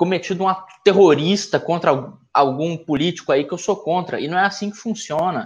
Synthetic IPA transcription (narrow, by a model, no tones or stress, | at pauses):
komet͡ʃid̪ʊũmɐt̪eɦoɾist̪ɐkõnt̪ɾɐawɡawɡũpulit͡ʃi̥kʊaikɪewsokõnt̪ɾɐ̰ɪ̰nɐ̃w̃ɛasĩkɪ̥fũsiõnɐ